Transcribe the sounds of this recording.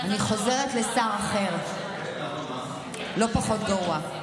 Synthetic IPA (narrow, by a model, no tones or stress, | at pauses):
aniχo̞ze̞ʁetlesaʁaχe̞ʁ | lo̞paχo̞t̪ɡaʁua